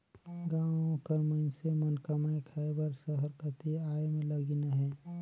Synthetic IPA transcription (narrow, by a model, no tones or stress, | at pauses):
ɡãːwõkəɾməɪnsemənkəmaekʰaebəɾsəɦəɾkət̪iaːemẽləɡinaɦɛː